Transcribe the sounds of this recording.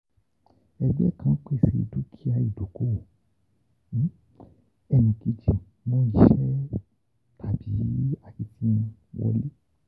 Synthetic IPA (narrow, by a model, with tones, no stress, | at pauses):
ɛ˧ɡ͡bɛ˦kʰã˦k͡pe˦˨se˧˨˧du˦kʰi˦a˧i˦˨do˨ko˦˨˦ | ɛ˧nĩ˨ki˨˦d͡ʒi˨ | mɔ̃˦i˦˨ʃɛ˦ | tʰa˨bi˨˦a˨ki˧˦tĩ˦˧wɔ̰˧le˦